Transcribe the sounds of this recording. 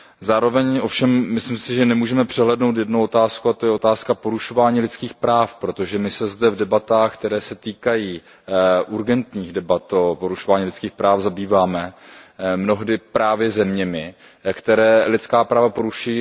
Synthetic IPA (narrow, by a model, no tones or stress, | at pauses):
zaːɾo̞vɛɲʔo̞fʃɛmːɪslimsɪʒɛnɛmuːʒɛmɛpr̝̥ɛɦlɛːdno̞wt̪̬jɛdnowot̪aːskuat̪ojɛot̪aːskapo̞ɾuʃo̞vaːɲiːlɪt̪t͡skiːxpɾaːfpɾo̞t̪oʒɛmɪsɛzdɛvdɛbat̪aːxkt̪ɛɾɛːsɛt̪iːkajiː | ʔuɾɡɛnt̪ɲiːɣdɛbat̪opo̞ɾuʃo̞vaːɲilɪt͡skiːxpɾaːfzabiːvaːmɛ | mno̞ɦdɪpɾaːvjɛzɛmɲɛmɪ | kt̪ɛɾɛːlɪt͡skaːpɾaːvapo̞ɾuʃuji